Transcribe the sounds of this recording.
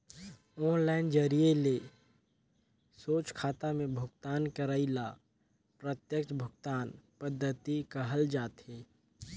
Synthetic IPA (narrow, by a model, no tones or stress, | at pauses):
ɔːnlaːɪnd͡ʒəɾijele | soːt͡ʃkʰaːt̪amẽbʱʊɡt̪aːnkəɾaila | pɾət̪jəkt͡ʃbʱʊɡt̪aːnpəd̪ʱːət̪ikəɦəld͡ʒaːt̪heː